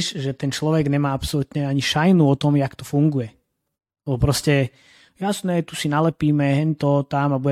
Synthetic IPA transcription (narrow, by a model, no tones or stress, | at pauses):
ʃʒɛt̪ɛnt͡ʃlɔʋɛɡɲɛmaːapsɔlut̪ɲɛaɲiʃajnuɔt̪ɔmjakt̪ɔfuŋɡujɛ | lɛbɔpɾɔscɛ | jasnɛt̪usinalɛpiːmɛɦɛnt̪ɔt̪amabu